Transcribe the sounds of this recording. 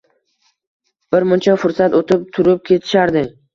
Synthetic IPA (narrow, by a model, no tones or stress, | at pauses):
b̥ɪɾmʊnt͡ʃʰafʊɾsat̪ot̪ʰɪp̚t̪ʰʊɾɪp̚kʲʰe̞t̪ʰɪ̥ʃaɾd̪ɪ